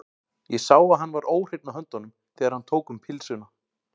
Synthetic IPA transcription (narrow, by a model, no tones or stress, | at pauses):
jɛsaːwaɦanvaɾʔoːwr̥ejp̪naɦœnt̪ɔnʏm | θɛːðaɾ̥hant̪ʰoːwkʏmpʰɪlsʏna